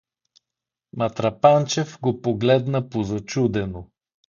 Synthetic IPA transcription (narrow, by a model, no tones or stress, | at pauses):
mɐt̪ɾɐpant͡ʃɛfɡopoɡlɛd̪nəpozɐt͡ʃud̪ɛno